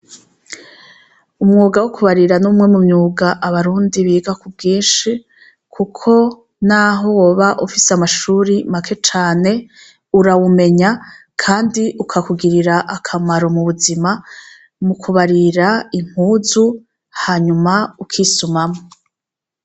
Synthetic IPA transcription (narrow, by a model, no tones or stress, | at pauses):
umŋuːɡawukʰuβaɾiɾanumŋe̞mumɲuːɡaʔaβaɾuːndiβiːɡakub̚ɡiːnʃi | kʰukʰo̞ | naːɦo̞wo̞ːβaʔufiseamaʃuːɾimakʰe̞t͡ʃaːne̞ | uɾawume̞ɲa | kʰaːndiʔukʰakuɡiɾiɾaʔakʰamaɾomuβuzima | mukʰuβaɾiɾaim̥huːzu | haːɲumaukʰiːsumamo